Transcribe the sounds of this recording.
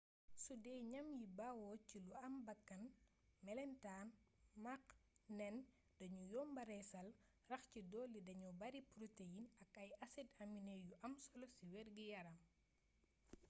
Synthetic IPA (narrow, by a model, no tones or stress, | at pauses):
sudɛɲɐmjibawɔciluɐmbɐkːɐn | mɛlɛntaːnmaknɛn | dɐɲujɔmbɐɾɛsɐl | rɐxcidɔːlːidɐɲɔbɐɾipɾotejinɐkɐjɐsɛdɐminɛjuʔɐmsɔlɔsiwɛrɡijɐɾɐm